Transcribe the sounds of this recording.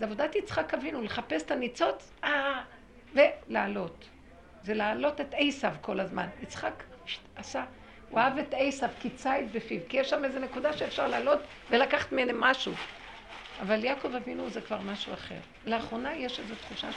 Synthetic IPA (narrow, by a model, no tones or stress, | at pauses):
zeavo̞dat̪it͡sχakavinuleχape̞se̥t̪anit͡so̞t͡s | a | ve̞laːlo̞t | zelaːlo̞te̞tejsavko̞lazma̰nit͡sχakasa | waave̞tejsavkit͡sajtbefivkijeʃːamezenekudaʃeːfʃaʁlaːlo̞t | velakaχḁt̪menemaʃu | avaljako̞vavinuzekvaʁmaʃuaχe̞̰ʁ | leaχʁo̞najeʃezotχuʃa̰